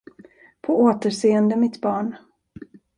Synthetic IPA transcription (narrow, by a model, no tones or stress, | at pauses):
pʰɔoːt̪əʂeːənd̪əmɪt̪bɑːɳ